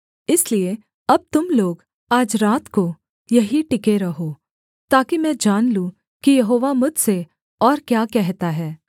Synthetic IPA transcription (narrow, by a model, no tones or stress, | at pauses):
ɪslie | ɐb̚t̪ʊmloːɡ | aːd͡ʒɾaːt̪ko | jɐɦiʈɪkeɾɐɦoː | t̪aːkimɛ̃d͡ʒaːnlũ | kijɐɦoːʋamʊd͡ʒʱse | ɔːɾkjaːkɛɦt̪aɦɛː